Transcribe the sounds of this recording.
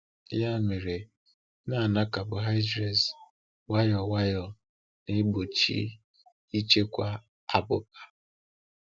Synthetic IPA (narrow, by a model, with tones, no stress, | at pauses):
ja˦me˨ɾe˨ | na˦˨na˦ka˨bʊ˨ɦa˦ɪ˦d͡ʒɾe˨z | wa˦jɔ˨wa˦jɔ˨ | ne˦ɡ͡bo˨t͡ʃḭ˦ | i˦t͡ʃe˦kʷa˦ | a˨bʊ̰˦p̚ḁ˨